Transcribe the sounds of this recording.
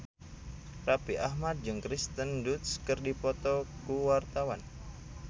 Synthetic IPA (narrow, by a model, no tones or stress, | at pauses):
rapiʔahmat̪̚d͡ʒɨŋkɾist̪əndut̪skərdipɔt̪ɔkuwart̪awan